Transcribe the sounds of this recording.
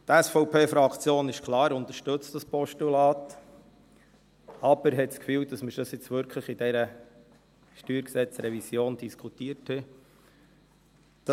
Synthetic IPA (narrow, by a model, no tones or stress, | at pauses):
t̪æsfɔʊpʰeːfɾɑkt͡sjoːnɪʃkχlɑːɾʊnt̪əɾʃtɵt͡std̥ɑspɔʃtulɑːt̪ | ɑb̥əɾɦɛtskfyːwd̪ɑsməɾdɑsɪt͡sʋʏɾkʰləχid̥ɛɾə | ʃtyːɾksɛt͡sɾɛvisjoːnd̪̥iskʰut̪iəɾthɛ | d̥ɑ